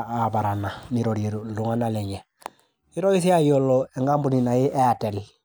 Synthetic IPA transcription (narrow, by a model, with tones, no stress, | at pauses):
aba˨ɾana˨niɾoɾiluŋa˦naleɲe˨ | i˦ɾo˦ji˦s̬i˦a˦jolːoe˨ŋɡa˦mbuninaji˦ʔe˦ate˨l